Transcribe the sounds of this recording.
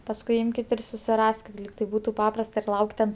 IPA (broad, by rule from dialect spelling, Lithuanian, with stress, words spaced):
pɐsˈkʊɪ ˈɪmʲkʲɪt ɪr sʊsʲɪˈrɑːsʲkʲɪt ˈlʲiːk ˈtɐɪ ˈbuːtʊ ˈpɑːprɐst ɪr ˈlˠɐʊkʲ tʲɛn